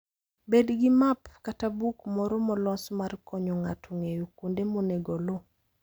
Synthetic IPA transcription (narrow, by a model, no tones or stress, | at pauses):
bedɡɪmapkatabukmɔɾɔmɔlɔsmarkʰɔɲɔŋatʰoŋejokondemɔneɡɔlo